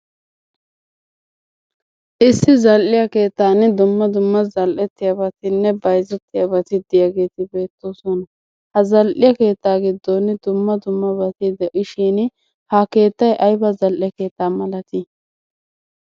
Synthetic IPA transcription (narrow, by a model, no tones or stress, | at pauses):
ʔɪsːɪzɐlʔɪjɐke̞ːt̪ːaːnd̪ʊmːɐd̪ʊmːɐzɐlʔɛt̪ːɪjɐbɐt̪ɪnːɛbɐjzɛt̪ːɪjɐbɐt̪ɪd̪ɪjaɡe̞ːt̪ɪbe̞ːt̪ːoːsɔnɐ | hɐzɐlʔɪjɐke̞ːt̪ːaːɡɪd̪ːond̪ʊmːɐd̪ʊmːɐbɐt̪ɪd̪ɛʔɪʃiːn | hake̞ːt̪ːɐjʔɐjbɐzɐlʔɪjɐke̞ːt̪ːaːmɐlɐt̪ɪ